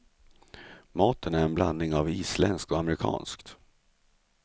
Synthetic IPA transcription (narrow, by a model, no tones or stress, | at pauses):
mɑːt̪ʰənæɾɛnbla̰nːɪŋaviːslɛnskt̪ɔamɾɪkʰɑ̰ːnskt̪